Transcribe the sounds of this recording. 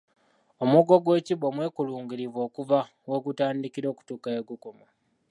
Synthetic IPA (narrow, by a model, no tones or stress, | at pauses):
omuɡoɡwe̞ːciβomwe̞ːkuluːŋɡiɾivo̞ːkuva | weɡutaːndikiɾo̞ːku̥tuːkaeɡukomo